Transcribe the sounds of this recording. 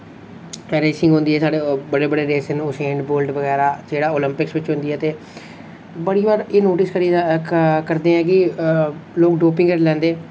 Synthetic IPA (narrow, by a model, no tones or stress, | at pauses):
ɾeːsɪ̃ŋɡɦʊ̃nd̪iːɛːsaːɽeːbəɽeːbəɽeːɾeːsənʊsɛ̃ːɳɖboːlʈʋəɡɛːɾaːd͡ʒeːɽaːoːlɪmpɪksʋɪt͡ʃɦʊ̃nd̪iːɦɛːt̪eː | bəɽiːbaːɾeːnoːʈɪskəɾi | kəɾd̪eːɛ̃ːk̬ɪ | loːkɖoːpɪ̃ŋɡəɾlɛ̃ːnd̪eː